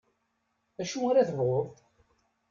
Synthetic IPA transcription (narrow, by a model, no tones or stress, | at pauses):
æʃuaɾæθəvʁoðˤ